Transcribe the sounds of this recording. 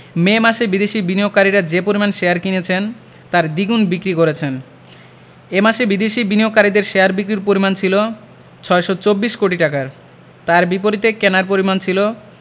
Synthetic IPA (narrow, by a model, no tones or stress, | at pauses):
memaʃebid̪eʃibinioɡ̚kaɾiɾad͡ʑepoɾimanʃejaɾkinet͡ɕʰen | t̪aɾd̪iɡunbikɾikoɾet͡ɕʰen | emaʃebid̪eʃibinijok̚kaɾid̪eɾʃeaɾbikɾiɾpoɾimant͡ɕʰilo | t͡ɕʰɔeʃɔt͡ɕobːiʃkoʈiʈakaɾ | t̪aɾbipoɾit̪ekenaɾpoɾimant͡ɕʰilo